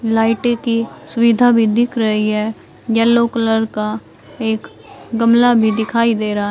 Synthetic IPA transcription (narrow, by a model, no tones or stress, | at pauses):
laːɪʈekisʊʋɪd̪ʱabʱid̪ɪkʰɾɐɦiɦɛː | jɛlːoːkələɾka | eːk | ɡəmlabʱid̪ɪkʰaːid̪eːɾaaɦ